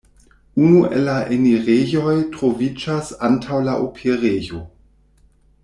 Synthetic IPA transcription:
unuʔḛlaʔeniʁejojtʁovid͡ʒasantʰawlaʔopʰeʁejo

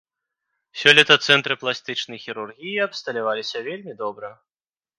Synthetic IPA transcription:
sʲɔlʲɛt̪ɐt̪sɛnt̪ɾɨplˠasʲt̪ɨt͡ʂnɐjxʲiɾurɣʲijiɐpst̪ɐlʲavalʲisʲɐvʲelʲmʲid̪ɔbɾɐ

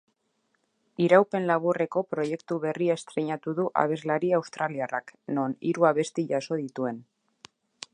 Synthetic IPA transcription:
iɾawpe̞nlaβ̞ure̞ko̞pɾo̞je̞kt̪uβe̞riast̪ɾeɲat̪uðuʔa̰β̞e̞zlaɾiawst̪ɾaliarakno̞niɾuaβe̞st̪iʝaso̞ðit̪ue̞n

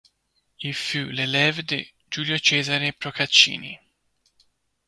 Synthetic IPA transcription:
ilfulelɛvd̪ḛ | d͡ʒuːljot͡ʃɛːzaɾepɾokat͡ʃːḭːnḭ

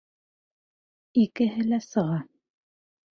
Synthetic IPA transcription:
ikɘ̆ɦɘlæsɤ̆ʁɑ

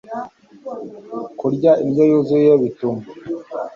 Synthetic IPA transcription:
kuɾɟaimjajozuaβituma

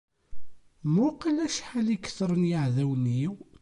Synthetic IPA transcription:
mʊqəlæʃħalikːθəɾˤənjəʕðæwniw

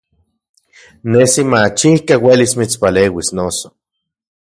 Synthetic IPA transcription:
nesimat͡ʃihkawelismit͡spaleːwisnoso̥

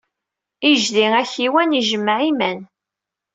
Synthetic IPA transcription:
iʒðiæçiwæniʒəmːʕimæn

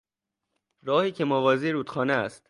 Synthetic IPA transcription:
ɾɒːhiːcʰemɔvɒːziɾuːt̪xɒːneæst̪

